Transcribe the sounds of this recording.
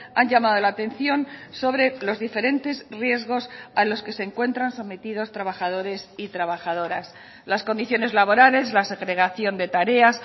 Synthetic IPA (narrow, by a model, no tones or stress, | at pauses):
aɲɟamað̞o̞laːt̪e̞n̟θjo̞nso̞βɾe̞lo̞zðife̞ɾe̞nt̪e̞zrje̞zɣ̞o̞salo̞ske̞seːŋkwe̞nt̪ɾanso̞me̞t̪ið̞o̞st̪ɾaβaxað̞o̞ɾe̞sit̪ɾaβaxað̞o̞ɾas | lasko̞nd̪iθjo̞ne̞zlaβ̞o̞ɾale̞zlase̞ɣɾe̞ɣ̞aθjo̞nd̪e̞t̪aɾe̞as